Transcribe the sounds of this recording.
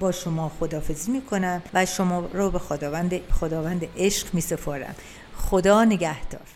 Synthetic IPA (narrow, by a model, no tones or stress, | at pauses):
bɒːʃomɒːxod̪ɒːfe̞ziːmiːkʰo̞næmvæʃomɒːɾɔːbexod̪ɒːnd̪xod̪ɒːvænd̪eʔeʃɢmiːsepʰoɾæ̰m | xod̪ɒːneɡæhd̪̥ɒ̰ːɾ